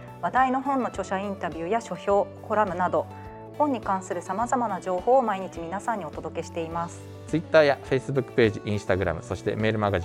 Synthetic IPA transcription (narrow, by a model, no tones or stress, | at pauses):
βad̪aino̞ɦõ̞nːo̞t͡ɕo̞ɕaĩnt̪abʲjɯ̟ːjaɕo̞ço̞ːko̞ɾamɯ̟nad̪o̞ | hõɲ̟ːikãɰ̃sɨɾɯ̟samazamanad͡ʑo̞ːho̞ːmaiɲ̟it͡ɕimʲinasãɲ̟ːio̞t̪od̪o̞ke̞ɕi̥t̪e̞imasɨ̥ | t͡sɨit̪ːaːjaɸe̞isɨbɯ̟kːɯ̥pe̞ːʑiʔĩsɨ̥t̪aɡɯ̟ɾa̰mɯ̟so̞ɕi̥t̪e̞̰me̞ːɾɯ̟maɡaʑi